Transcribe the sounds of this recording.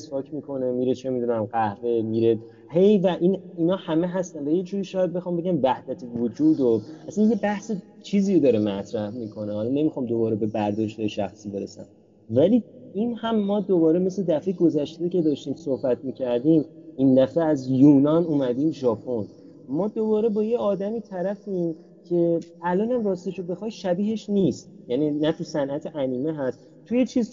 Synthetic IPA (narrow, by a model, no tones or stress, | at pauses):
espɒːcʰmiːkʰo̞ne̞miːɾet͡ʃʰemid̪unæmɢæhve̞miːɾe | hejvæʔiniːnɒːhæme̞ɦæst̪ænvæjed͡ʒuːɾiːʃɒːjæd̪̚be̞xɒːmbeɟʲæmvæhd̪̥æt̪ʰevod͡ʒuːd̪oʔæsænje̞bæhse | t͡ʃʰiːziːɾod̪ɒːɾemæt̪ʰɾæhmiːkʰo̞nehɒlɒne̞mixɒːmd̪o̞bɒːɾebe̞bæɾd̪ɒːʃt̪ejeʃæ̰xsiːbe̞ɾesæ̰m | væliinhæmːɒːd̪obɒːɾemesled̪æfe̞jeɡo̞zæʃt̪eiːcʰe̞d̪ɒːʃt̪iːmsohbæt̪ʰmiːcʰæɾd̪iːmind̪æfeæzjuːnɒnuːmæd̪iːmʒɒːpʰo̞n | mɒːd̪obɒːɾebɒːjeɒːd̪æmiːt̪ʰæɾæfim | cʰe̞ælɒːnæmrɒːst̪eʃobe̞xɒːjʃæbiːɦe̞ʃnist̪̚ | jæninæt̪ʰusænʔæt̪ʰeʔæniːmeɦæst̪ | t̪ʰujet͡ʃʰiːz